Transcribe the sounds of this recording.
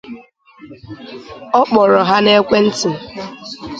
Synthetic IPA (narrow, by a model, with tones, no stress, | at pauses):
ɔ˦k͡pɔ˨ɾɔ˨ɦa˦ne˦kʷe˦n̩˦tɪ˨